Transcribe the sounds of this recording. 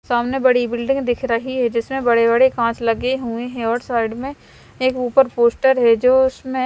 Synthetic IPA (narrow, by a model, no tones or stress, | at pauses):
saːmnebɐɽibɪlɖɪ̃ŋɡd̪ɪkʰɾɐɦiɦɛd͡ʒɪsmẽbɐɽebɐɽekãːt͡ʃlɐɡeɦueɦɛ̃ɔːɾsaːɪɖmẽ | eːkuːpəɾpoːsʈəɾɦɛd͡ʒoːʊsmẽ